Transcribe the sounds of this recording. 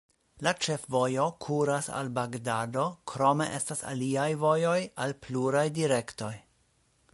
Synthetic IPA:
lat͡ʃe̞fvo̞jo̞kʰuɾasa̰lbaɡdado̞kʰɾo̞me̞̰ʔe̞stasa̰liajvo̞jo̞jalpluɾajdiɾe̞kto̞j

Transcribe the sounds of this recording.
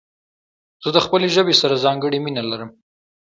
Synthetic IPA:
z̥əd̪əxpəleʒəbesaɾazɑŋɡəɽiminalaɾəm

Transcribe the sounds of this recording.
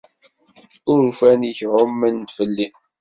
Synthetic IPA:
ʊɾfæniçʕʊmːənt̪fəlːin

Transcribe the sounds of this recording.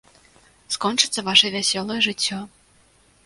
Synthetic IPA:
skɔnt͡ʂɨt̪sɐvaʂɐvʲasʲɔlˠɐjɛʐɨt͡sʲːɔ

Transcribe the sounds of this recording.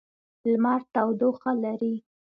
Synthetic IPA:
lmɑɾt̪awd̪oxalaɾi

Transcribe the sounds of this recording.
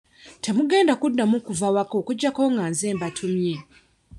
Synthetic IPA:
tʰe̞muɡe̞ːndakudːamukuvawako̞kuɟːako̞ŋɡaːnze̞ːmbatʰumje̞

